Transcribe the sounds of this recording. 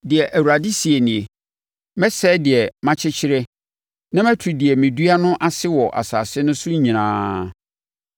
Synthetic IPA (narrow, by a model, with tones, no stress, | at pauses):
dɪ˨ɛ˨ʔæ˨wu˨ɾa˨di˦si˨e˨nĩ˨e˨ | mɛ̃˦sɛ˦dɪ˨ɛ˨mã˦t͡ɕʰɪ˦t͡ɕʰɪ˦ɾɛ˦ | nã˦mæ̃˦tʰu˨dɪ˨ɛ˨mɪ̃˨dɥa˦nʊ̃˦ʔa˦sɪ˦wɔ˨ʔa̰˨saː˨sɪ˦nʊ̃˦sʊ̃˦ɲĩ˨nãː˦